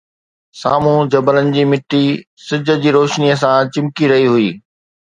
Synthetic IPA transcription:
saːmũd͡ʑɐbələnɪ̆d͡ʑiːmɪʈːisɪd͡ʑʱə̆d͡ʑiːɾoːʃniəsãt͡ɕɪ̃mkiɾɐɦiɦʊiː

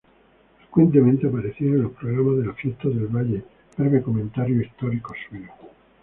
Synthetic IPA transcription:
fɾekwe̞nt̪̬emẽnt̪eapaɾeθjeɾonlo̞hpɾoɣɾamaðelafjest̪aðelβaʎe | paɾkekomẽnt̪aɾjoist̪oɾikosweo

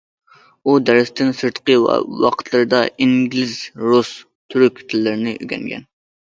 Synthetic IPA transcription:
ud̪æɾɪst̪ɪnsɨɾt̪qə̰wɑ̰qʰə̥t̪ʰlˠɨɾɨd̪ɑʔiŋɡʲlɪzɾus | t̪ʰyɾykʲt̪ʰɪlːɪɾɪnɪʔy̰ɡʲɛ̰ŋɡʲɛ̰n

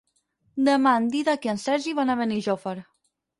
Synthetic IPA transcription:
d̪əmand̪iðakeənsɛɾʒiβanaβəniʒofəɾ

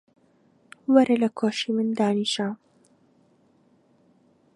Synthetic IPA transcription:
wɐɾelɐkʰoːʃimɨnd̪aːniːʃa

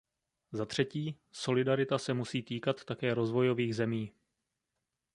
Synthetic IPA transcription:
zat̪r̝̥ɛciː | so̞lɪdaɾɪt̪asɛmusiːt̪iːkat̪ːakɛːɾo̞zvo̞jo̞viːɣzɛmiː

